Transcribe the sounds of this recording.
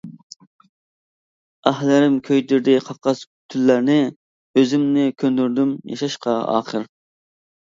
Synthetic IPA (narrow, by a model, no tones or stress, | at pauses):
ɑhlɪɾɪmkʲʰøjd̪yɾd̪ɪqʰɑqɑs | t̪ʰylːæɾnɪ | øzɪmnɪkʲʰønd̪yɾd̪ymjɑ̰ʃɑʃqʰɑɑ̰ːχəɾ